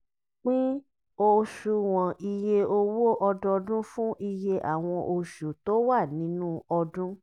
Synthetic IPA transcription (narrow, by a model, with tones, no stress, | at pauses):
k͡pĩ˦ | o˧ʃu˧w̃ɔ̃˨ʔi˧je˧o˧wo˦ʔɔ˧dɔ˧dũ˦fũ˦ʔi˧je˧ʔa̰˦˨w̃ɔ̃˧ʔo˧ʃu˨to˦wa˦˨nĩ˨˦nũ˦ɔ˧dũ˦